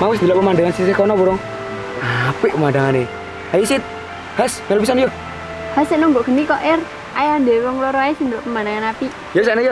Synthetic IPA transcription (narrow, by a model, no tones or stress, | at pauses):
mawɪs̬d̪ilɔʔpəmandaŋansisehkɔnɔbuɾɔŋ | apiʔpəmandaŋane | ajisɪt̪̚ | hasmɛlubisanjɔ | haseʔnɔŋɡɔʔɡ̥ə̤nikɔʔer | ajand̪ewɔŋlɔɾɔajisind̪ilɔʔpəmandaŋanapi | josaʔnajo